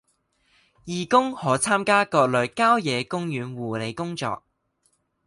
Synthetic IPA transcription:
jiː˨˩kʊ˥ŋhɔː˨˥t͡sʰaː˥mkaː˥kɔː˧k̚lɵ˨˧ɥkaː˥wjɛː˨˧kʊ˥ŋjyː˨˧nwuː˨˩le˨˧jkʊ˥ŋt͡sɔ̰ː˧k̚

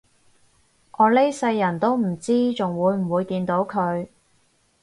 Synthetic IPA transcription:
ʔɔː˨˧le˥jsɐ˧jːɐ˨˩nt̪o˥wm̩˨˩t͡siː˥t͡sʊ˨ŋwuː˨˧jm̩˨˩wuː˨˧jkiː˧nt̪o˨˥wkʰɵ˨˧ɥ

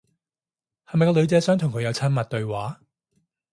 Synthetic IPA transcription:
hɐ˨jmɐ˨jkɔ˧lɵ˨˧ɥt͡sɛː˨˧˥sœː˨˥ŋt̪ʰʊ˨˩ŋkʰɵ˨˧jɐ˨˧wt͡sʰɐ˥nmɐ˨t̚t̪ɵ˧ɥwaː˨˥

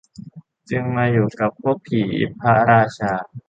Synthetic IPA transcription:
t͡ɕɯ˧ŋmaː˧juː˨˩ka˨˩pʰːu˥˩ək̚pʰiː˨˩˦ʔḭ˦˥pʰːa˦˥ɾaː˧t͡ɕʰaː˧

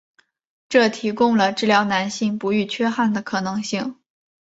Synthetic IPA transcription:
ʈ͡ʂɤ˥˩t̪ʰi˧˥kʊ˥ŋlə˨ʈ͡ʂɻ̩˥˩ljɑ˧˥ʊna˧˥nɕi˥˩ŋpu˧˥y˥˩t͡ɕʰɥɛ˥xa˥˩nd̪ə˩kʰɤ˨˩nɤ˧˥ŋɕi˥˩ŋ

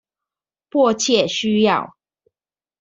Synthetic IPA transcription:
pwɔ˥˧t͡ɕʰjɛ˥˨ɕy˦jɑ˥˨ʊ

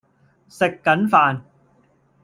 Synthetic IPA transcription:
se˨˩kːɐ˨˦˥nfaː˨˩n

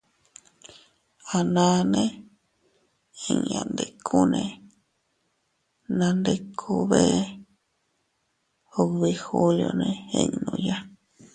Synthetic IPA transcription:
a˨nã˧nẽ˦ | ẽ˧ã̰˧nd̪e˨kʰu˦nẽ˧ | nã˧nd̪e˧kʰu˧βe˦ | o˧βi˧xu˦ljo˧nẽ˧ḛ̃˧ɲnũ˧ja˦

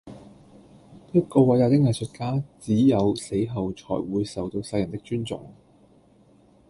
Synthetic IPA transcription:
pɐ˥ko˧wɐ˨˥jaː˧t̪ɪ˥k̚jɐ˨˩sʰɵ˨t̚kaː˥t͡siː˨˥jɐ˨˧wse˨˥jɦɐ˨wt͡ʃʰɔ̰ː˨˩jwuː˨˧jsɐ˨˩wt̪o˧wsɐ˧jɐ˨˩nt̪ɪ˥k̚t͡ʃyː˥nt͡sʊ̰˨ŋ

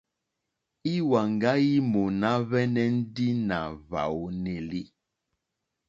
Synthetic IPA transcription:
i˦wa˨ŋ˨ɡa˦ji˦mo˨na˦βɛ˦nɛ˦n̩˦di˦na˨βa̰˨wne˨li˦

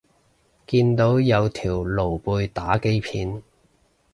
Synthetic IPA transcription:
kiː˧nt̪o˨˥wjɐ˨˧wt̪ʰiː˨˩wlo˨˩wpuː˧jt̪aː˨˥ke˥jpʰiː˨˧n

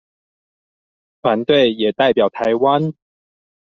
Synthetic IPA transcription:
t̪ʰwa˨˦nt̪we˥˨ɪjɛ˨˩t̪a˥˩ɪpjɑ˨˩ʊt̪ʰa˨˦ɪwa˦n

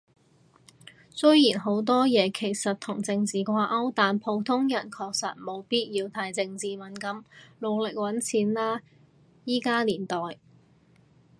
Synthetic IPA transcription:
sɵ˥ɥjiː˨˩nɦo˨˥wt̪̬ɔː˥jɛː˨˧kʰe˨˩jsɐ˨t̚t̪ʰʊ˨˩ŋt͡sɪ˧ŋt͡siː˨kʷaː˧ʔɐ˥wt̪aː˨npʰo˨˧wt̪ʰʊ˥ŋjɐ˨˩nkʰɔː˧k̚sɐ̰˨t̚mo˨˧wpiː˥t̚jiː˧wt̪ʰaː˧jt͡sɪ˧ŋt͡siː˨mɐ˨˥nkɐ˨˥mlo˨˧wlɪ˨k̚wɐ˨˥nt͡sʰiː˨˧˥nlaː˥ | jiː˥kaː˥liː˨˩nt̪ɔː˨j

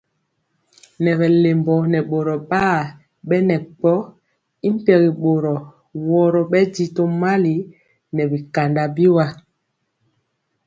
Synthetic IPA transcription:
nɛ˨βɛ˨le˨mbɔ˨nɛ˨ɓo˨ɾɔ˨ɓaː˦˨ | ɓɛ˦nɛ˨k͡pɔ˦ | i˦m˦pɛ˨ɣi˨ɓo˨ɾɔ˨ | wɔ˦ɾɔ˨ɓɛ˦di˦to˦ma˦li˨ | nɛ˨bi˨ka˨nda˨bi˦wa˦

